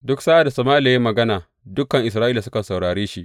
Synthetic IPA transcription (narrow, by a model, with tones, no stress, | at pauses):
dʊ˦ksaː˦ʔa˨da˨sɐ˨maː˦la˨ja˦mɐ˨ɡɐ˦naː˨ | dʊ˦kːɐ˨ŋʔɪ˨sɾaː˦ʔiː˦la˨sʊ˦kɐ˨sa˨wɽaː˨ɽeː˦ʃi˦ʔ